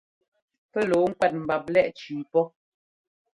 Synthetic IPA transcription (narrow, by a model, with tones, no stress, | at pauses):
pɛ˦lo˨˦ŋ̩˦kwɛ˦˨t̚m̩˨ba˨p̚lɛ˦ʔt͡ʃiː˨pɔ˦